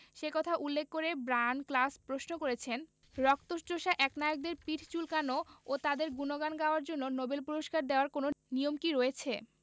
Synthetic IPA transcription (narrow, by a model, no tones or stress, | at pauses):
ʃekɔt̪ʰaʔulːekːoɾebɾanklaspɾosnokoɾet͡ɕʰen | ɾɔk̚t̪oʃʈoʃaʔɛknajoɡ̚d̪eɾpiʈʰt͡ɕulkanoot̪ad̪eɾɡunoɡanɡaoaɾd͡ʑonːonobelpuɾoʃkaɾd̪eoaɾkononiomkiɾoet͡ɕʰe